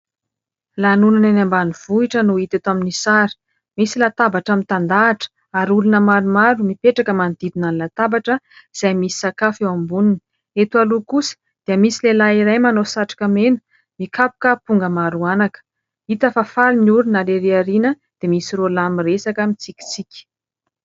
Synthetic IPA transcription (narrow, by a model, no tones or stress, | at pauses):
lanunananambaniv̥uiʈ͡ʂənuit̪et̪aminisaɾi̥ | misilat̪abaʈ͡ʂamit̪and̪aːʈ͡ʂə̥ | aɾulunəmaɾumaɾumipeʈ͡ʂakəmand̪̥id̪unanlat̪abaʈ͡ʂəiz̥ajmisi̥sakafewambunini | et̪ualukusə̥ | d̪̥iəmisilelaiɾajmanosaʈ͡ʂḁkəmenə̥ | mikapu̥kəpuŋɡəmaɾuanakə̥ | it̪əfafaliniuɾunaleɾeaɾinə | d̪̥emisirolamiresakəmit͡sikʲi̥t͡sikʲi̥